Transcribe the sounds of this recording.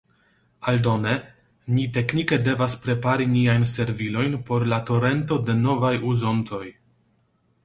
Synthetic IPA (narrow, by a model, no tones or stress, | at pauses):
aldo̞ne̞ | nite̞knike̞de̞vaspɾe̞paɾiniajnse̞ɾvilo̞jnpo̞ɾlato̞ɾe̞nto̞de̞no̞vajuzo̞nto̞j